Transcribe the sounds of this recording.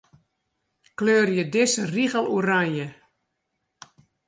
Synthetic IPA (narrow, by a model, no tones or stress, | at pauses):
kløːrjədɪsəriɣəlˠuranjə